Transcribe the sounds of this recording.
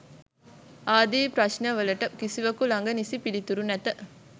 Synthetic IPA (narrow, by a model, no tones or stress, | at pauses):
ʔaːd̪iːpɾɐʃnəʋələʈəkisiʋɐkulɐŋɡənisipilit̪uɾunɛt̪ə